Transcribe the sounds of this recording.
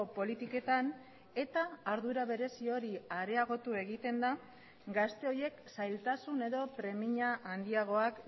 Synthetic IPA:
opo̞lit̪ike̞t̪an | e̞t̪aːɾðuɾaβ̞e̞ɾe̞sio̞ɾiaɾe̞aɣ̞o̞t̪ue̞ɣ̞it̪e̞nd̪a | ɡast̪e̞o̞je̞ksajlt̪asune̞ðo̞pɾe̞miɲaʔand̪iaɣ̞o̞ak

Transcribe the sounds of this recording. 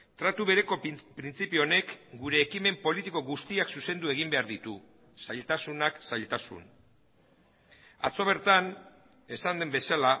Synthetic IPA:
t̪ɾat̪uβe̞ɾe̞ko̞pɾint͡sipio̞ne̞kɡuɾe̞ːkime̞mpo̞lit̪iko̞ɣust̪iaksuse̞nd̪ue̞ɣ̞imbe̞aɾðit̪u | sajlt̪asunaksajlt̪asṵn | a̰t͡so̞β̞e̞ɾt̪an | e̞sand̪e̞mbe̞sala

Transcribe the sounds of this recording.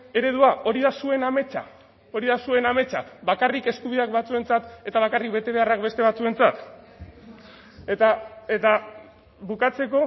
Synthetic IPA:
e̞ɾe̞ð̞uaʔo̞ɾið̞asue̞name̞t͡ʃa̰ | o̞ɾiðasue̞name̞t͡ʃaβakarike̞skuβiðak̚bat͡sue̞nt͡sat̪e̞t̪aβ̞akarik̚be̞t̪e̞βe̞arakbe̞st̪e̞β̞at͡sue̞nt͡sat̪ | et̪aet̪a | βukat͡se̞ko̞

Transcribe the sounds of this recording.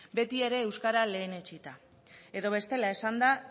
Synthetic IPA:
be̞t̪ie̞ɾe̞ːwskaɾale̞ːne̞t͡ʃit̪a | e̞ðo̞βe̞st̪e̞lae̞sand̪a

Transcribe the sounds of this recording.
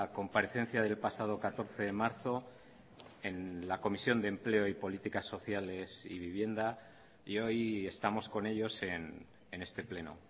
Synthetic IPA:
ko̞mpaɾe̞θe̞n̟θjað̞e̞lpasað̞o̞kat̪o̞ɾθe̞ðe̞maɾθo̞ | e̞nlako̞misjo̞nd̪emple̞o̞ipo̞lit̪ikasːo̞θjale̞siβ̞iβ̞je̞nd̪a | io̞je̞st̪amo̞sko̞ne̞ʎo̞se̞n | ene̞st̪e̞ple̞no̰

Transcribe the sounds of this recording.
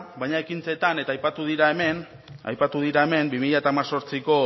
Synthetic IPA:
bajɲaekint͡se̞t̪ane̞t̪aːjpat̪uðiɾae̞me̞n | a̰jpat̪uðiɾae̞me̞mbimiʎaet̪aːmaso̞ɾt͡siko̞

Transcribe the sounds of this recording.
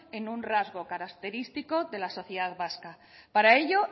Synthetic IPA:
enunrazɣo̞kaɾakt̪e̞ɾist̪iko̞ðe̞laso̞θjeðaðβaska | paɾae̞ʎo̞

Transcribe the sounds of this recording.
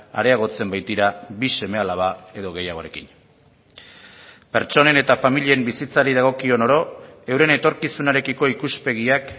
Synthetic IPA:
a̰ɾe̞aɣ̞o̞t͡se̞mbajt̪iɾaβise̞me̞alaβae̞ðo̞ɣe̞jaɣ̞oɾe̞kin | pe̞ɾt͡ʃo̞ne̞ne̞t̪afamilie̞mbisit͡saɾið̞aɣ̞o̞kio̞no̞ɾo̞e̞wɾe̞ne̞t̪o̞ɾkisunaɾe̞kiko̞ikuspe̞ɣiak

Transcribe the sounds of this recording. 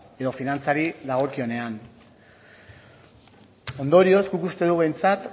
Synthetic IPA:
e̞ðo̞finant͡saɾiðaɣ̞o̞kio̞ne̞an | o̞nd̪o̞ɾio̞skikust̪e̞ðuβe̞jnt͡sat̪

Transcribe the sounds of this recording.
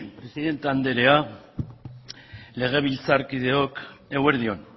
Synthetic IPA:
pɾe̞siðe̞nt̪eand̪e̞ɾe̞a | le̞ɣ̞e̞β̞ilt͡saɾkið̞e̞o̞ke̞ɣwe̞ɾðio̞n

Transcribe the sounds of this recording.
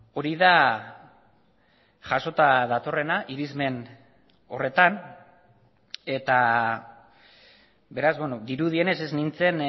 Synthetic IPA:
o̞ɾiða | ʝaso̞t̪aðat̪o̞re̞naʔiɾizme̞n | o̞̰re̞t̪an | e̞t̪a | be̞ɾazβwenod̪iɾuð̞ie̞ne̞se̞znint͡se̞n

